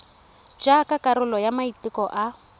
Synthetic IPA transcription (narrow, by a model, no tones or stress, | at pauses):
d͡ʒakakʼaɾʊlɔjamaitikɔʔa